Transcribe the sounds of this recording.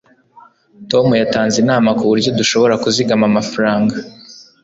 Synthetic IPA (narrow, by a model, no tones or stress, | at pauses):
to̞mujataːnzinaːmakuβuɾɟo̞duʃo̞βo̞ɾakuziɡamamafaɾaːŋɡa